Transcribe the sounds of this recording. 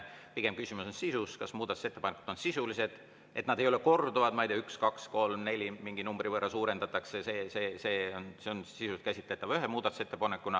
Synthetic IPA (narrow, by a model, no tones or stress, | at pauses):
piɡ̥e̞mkysimusonsisuskɑsmuːd̪ɑt̪u̥se̞t̪ːeɑneku̥d̪̥o̞nsisulise̞d̪̥ | ʔe̞t̪ˑnɑd̪ejo̞leko̞rd̪uvɑd̪̥mɑijt̪iɑykskɑksko̞lmne̞lʲimiŋɡinumbrivɤrːɑsuːɾe̞nd̪ɑt̪ˑɑkseseːse̞ːse̞ːonseonsisust̪kæsʲit̪ˑle̞t̪ːˑɑvyɦemuːd̪ɑt̪ːu̥se̞t̪ːepɑnekːˑunɑ